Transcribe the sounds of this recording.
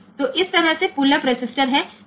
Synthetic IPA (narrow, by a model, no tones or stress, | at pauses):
t̪oʔɪst̪ɐɾəɦsepuləpɾesɪsʈəɾɦɛ̃ː